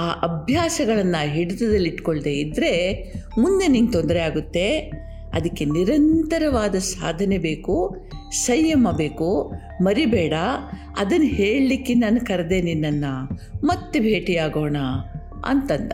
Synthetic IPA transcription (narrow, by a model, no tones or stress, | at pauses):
aːʔɐbʱjaːsɐɡɐɭɐnːaɦiɽɐd̪ɐd̪ɐlːiʈkoɭd̪eːid̪ɾe̞mund̪eniːŋɡ̚t̪ond̪ɐɾeaːɡut̪ːe̞ | ɐ̰d̪ɐkːeniɾɐnt̪ɐɾɐʋaːd̪ɐsaːd̪ʱɐne̞be̞ːku | sɐjːɐmɐbe̞ːku | mɐɾibɛːɽɐ | ɐd̪ɐnːɐɦeːɭlikːenaːnɐkɐɾd̪e̞ːninːɐnːɐmɐt̪ːebʱe̞ːʈiaːɡoːɳɐ | ɐ̰nt̪ɐnd̪ɐ